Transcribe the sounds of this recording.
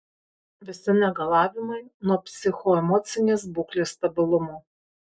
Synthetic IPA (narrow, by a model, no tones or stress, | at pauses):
ʋʲɪsʲɪnʲɛɡɐlˠɑːʋʲɪmɐɪnɔpʲsʲɪxoːɛmɔːt̪sʲɪnʲeːs̬buːklʲeːst̪ɐbʲɪlˠʊmoː